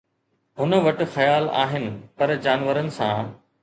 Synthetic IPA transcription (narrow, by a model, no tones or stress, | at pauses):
ɦʊnəʋɐʈ̆xɐjaːla̰ːɦɪnɪ̆pɐɾd͡ʑaːnʋəɾənɪ̆sã̰ː